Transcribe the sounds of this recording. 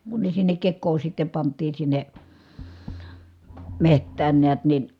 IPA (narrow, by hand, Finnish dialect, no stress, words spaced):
kun ne sinːek kekːoː sitːe pɑntˑiːn sinːe mehtˑæːn neæt nin̞